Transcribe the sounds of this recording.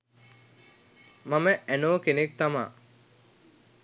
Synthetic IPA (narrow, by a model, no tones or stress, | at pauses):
maməænoːkenek̚t̪ama̰ː